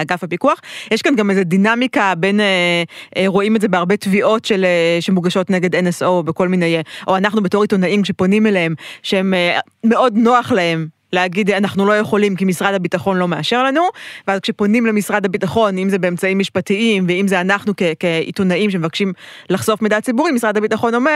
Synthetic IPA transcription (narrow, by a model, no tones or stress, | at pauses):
aɡafhapikuaχjeʃkanɡameze̞dinamikabe̞neʔeʁo̞imetzebeaʁbe̞tviʔo̞tʃeleʃemuɡaʃo̞tneɡedenesobeko̞lminejeʔoanaχnubeto̞ʁitonaimkʃe̞po̞nimeleɦemʃehemː | e̞ʔo̞dno̞aχlahe̞m | leaɡid̪anaχnulo̞je̞χo̞limkimisʁad̪habitaχo̞nlo̞meaʃe̞ʁlanuveazkʃe̞po̞nimlemisʁadhabitaχo̞nimzebeemt͡saimːiʃpatiimveimzeanaχnukekeḭtonaimʃ̬emevakʃimlaχso̞fmedat͡sibuʁimisʁadhabitaχo̞no̞me